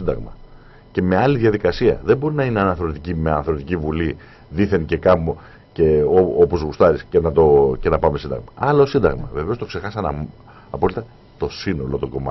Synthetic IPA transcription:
ind̪ɐ̰ɣmɐ | ce̞me̞ɐliðʝɐðikɐsiɐ̰ðembo̞ɾinɐineɐnɐθɾo̞t̪icime̞ɐnɐθɾo̞t̪icivuli | ðiθe̞nce̞kɐmo | ce̞oopo̞zɣust̪ɐɾisce̞nɐt̪o̞ce̞nɐpɐme̞sind̪ɐ̰ɣmɐɐlosind̪ɐ̰ɣmɐve̞ve̞o̞st̪o̞kse̞xɐsɐnɐ | ɐpo̞lit̪ɐ | t̪o̞sino̞lo̞t̪oɡo̞̰mɐ̰

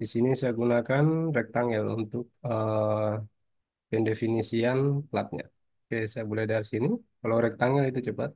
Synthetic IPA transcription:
disinisajaɡunakanrɛk̚t̪aŋɛlṵnt̪ʊk̚ə | pɛndefinisianplat̪̚ɲa̰ | okesajabolɛhdarsinikalawɾɛk̚t̪aŋɛlit̪ut͡ʃəpat̪̚

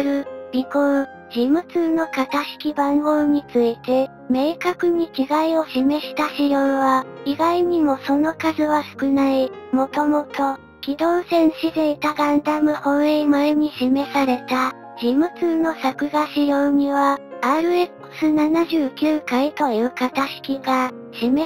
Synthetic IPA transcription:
ɾɯ̟ɾʲiko | ʑimɯ̟t͡sɨːno̞kat̪aɕi̥kʲibãŋɡoːɲ̟it͡sɨit̪e̞ | me̞ːkakɯ̟ɲ̟ikʲiɡaio̞ɕime̞ɕi̥t̪aɕijõɰβaiɡaiɲ̟imo̞so̞no̞kazɨβasɨ̥kɯ̟naimo̞t̪o̞mo̞t̪o̞ | kʲid̪o̞ːsẽ̞ɰ̃ɕizeit̪aɡãnd̪amɯ̟hõ̞ɰ̃emɯeɲ̟iɕime̞saɾe̞t̪a | ʑ̥imɯ̟t͡sɨːno̞sakɯ̟ɡaɕijoɲ̟iβaaːɾɯ̟ekɯ̟̥sɨnanaʑɨːkʲɨːkait̪o̞jɯ̟ːkat̪aɕi̥kʲiɡa | ɕime

